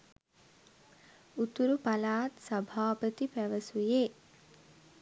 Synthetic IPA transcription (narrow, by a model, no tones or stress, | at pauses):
ut̪uɾupalaːt̪sɐbʱaːpət̪ipæʋəsujeː